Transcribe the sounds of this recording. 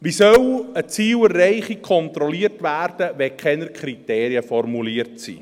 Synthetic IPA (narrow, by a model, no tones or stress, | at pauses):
ʋisœwət͡siːwərːɛɪχikʰɔntɾɔliərtʋæːɾd̥əʋɛkχɛnəɾkʰχriteːɾiəfɔrmuliərtsḭː